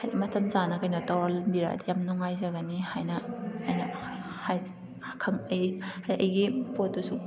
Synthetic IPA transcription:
hajɐmɐtʰɐmzanɐkɐjnotawɾalmbiɾa̰ɐ̰dijamnɔŋajzɐɡɐnihajnɐːjnɐ | haj | kʰɐŋɐjhajʔɐjɡipot̚dusu

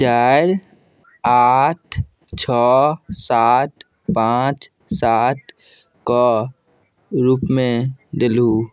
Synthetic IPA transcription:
t͡ʃaːɾ | aːʈʰ | t͡ʃʰɔːsaːt̪̚ | pãːt͡ʃ | saːt̪̚ | kɔ | ɾuːpmẽd̪ɪlɦuː

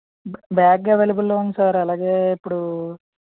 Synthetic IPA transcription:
baːɡɡaːʋelibulːoːunɐsaːɾɐlaːɡe̞ːipːuɽu

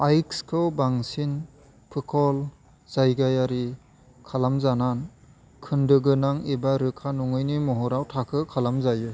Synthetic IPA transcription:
ajkskʰɯwbaŋsin | pʰɯkʰɔl | z̥ajɡajaɾi | kʰalamzanan | kʰɯndɯɡɯnaŋebaɾɯkʰːanuŋɯjnimɔɦɔɾawtʰakʰɯkʰalamzajɯ

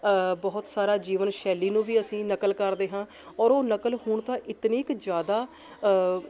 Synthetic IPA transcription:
bɔɦʊt̪saːɾaːd͡ʒiːʋənʃɛːliːnũːʋiːəsĩːnəkəlkəɾd̪eːɦãː | ɔːɾoːnəkəlhʊɳt̪ãːʔɪt̪nĩːkd͡ʒjaːd̪aː

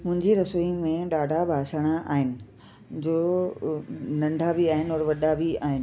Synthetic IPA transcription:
mʊ̃ɦɪ̃ɲd͡ʑiɾɐsuimẽɗaːɖʱabʱaːsəɽ̃aʔa̰ːɦɪnɪ̆ | d͡ʑoː | nɐ̃ɳɖʱabiaːɦɪnɔɾʋɐɗabiaːɦɪnɪ

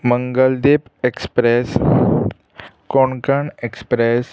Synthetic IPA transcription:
mə̃ŋɡəld̪eːpekspɾes | koɳkaɳekspɾes

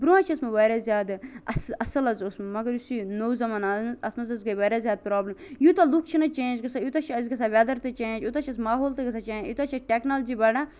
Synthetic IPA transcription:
bɾuãːt͡ʃʰiɐsmɐʋɐːɾaːzʲjaːd̪ɐsɐsɐlɐzosmɐmɐɡɐɾjusinowzɐmaːnaznzɐsmɐzɐzɡɐʋɐːɾazʲjaːd̪̚pɾaːblɐmjut̪alukʰt͡ʃʰinɐt͡ʃẽːd͡ʒɡɐsaːjut̪at͡ʃʰiɐzɡɐsʰaːʋʲaːd̪ɐɾt̪ɨt͡ʃẽːd͡ʒjut̪at͡ʃʰɐsmaːɦoːlt̪ɨɡɐsʰat͡ʃẽːd͡ʒjut̪at͡ʃʰɐʈeːknaːld͡ʒibɐɽãː

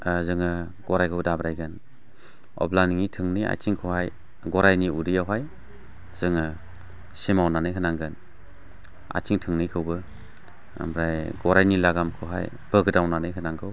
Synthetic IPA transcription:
zɯŋɯ | ɡ̥ɔɾajkʰɯwdabɾajɡɯn | ɔ̰blaniŋitʰɯŋnia̰jtiŋkʰɯwhaj | ɡɔɾajniudijawɦaj | z̥ɯŋɯ | simawnanɯjkʰɯnaŋɡɯn | a̰tiŋtʰɯŋnɯjkʰɯwbɯ | a̰mɾajɡɔɾajnilaɡamkʰɯwɦa̰j | b̥ɯɡɯdawnanɯjkʰɯnaŋɡɯw

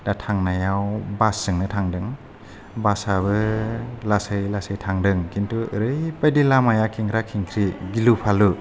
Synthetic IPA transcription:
d̥atʰaŋnajawbasɯŋnɯtʰaŋdɯŋ | basaβɯlasɯjlasɯjtʰaŋdɯŋkʰintʰuɯɾɯjpajdilamajakʰiŋkʰɾakʰiŋkʰɾiɡilupʰalu

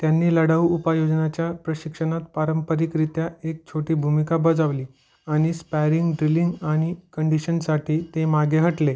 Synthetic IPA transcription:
t̪janːiːləɽaʋuupajod͡znat͡ɕjapɾəɕikʂənat̪̚paɾəmpəɾikɾit̪jaek̚t͡ɕʰoʈiːbʱumikabəd͡zaʋliː | aɽ̃ispajɾiŋɡɖɾiliŋɡaɽ̃ikəɳɖiɕənsaʈʰiːt̪emaɡeɦəʈle

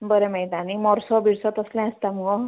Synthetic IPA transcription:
bəɾemejt̪animɔɾsɔbʱiɽsɔt̪əslɛ̃əst̪amɔɡɔ

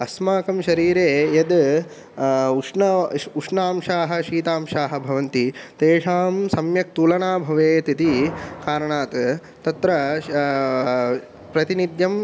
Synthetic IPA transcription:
ɐsmaːkɐmʃɐɾiːɾeːjɐd̪ | uʂɳɐuʂnaːmʃaːɦɐ̆ʃiːt̪aːmʃaːɦɐ̆bʱɐʋɐnt̪it̪eːʂaːmsɐmjɐk̚t̪uːlɐɳaːbʱɐʋeːt̪it̪ikaːɾɐɳaːt̪ | t̪ɐt̪ɾɐ | pɾɐt̪inid̪jɐm

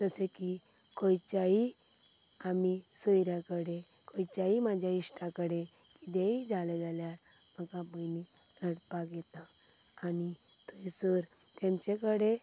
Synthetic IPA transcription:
t̪əseki | kʰɔjt͡ɕai | amisɔjɾjãkəɽe | kojt͡ɕaimad͡ʑʱjaiɕʈãkəɽe | kid̪eid͡zʱaled͡zalja | məkabəjni | ɾəɽpaɡjɛt̪ãː | ni | t̪uisəɾ | t̪ẽmt͡ɕekəɽe

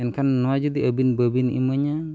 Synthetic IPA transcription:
ankanwad͡ʒud̪iʔəbinbəbinḭməɲa

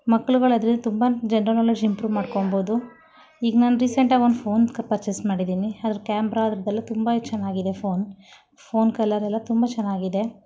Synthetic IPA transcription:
mɐkːɐɭuɡɐɭɐd̪ɐɾind̪ɐt̪umbɐd͡ʒɛnɾɐlɔlɐd͡ʒimpɾuːʋmaːɽkomboːd̪u | iːɡnaːnuɾiseɳʈaːond̪pʰo̞ːnkɐpɐɾt͡ʃesmaːɽid̪iːniɐd̪ɐɾukjaːmbɾaɐd̪ɾɐd̪ɛlːɐt̪umbɐt͡ʃːɛnːaːɡid̪e̞pʰo̞ːn | pʰo̞ːnkɐlːɐɾɛlːɐt̪umbɐt͡ʃɛnːaːɡid̪e̞

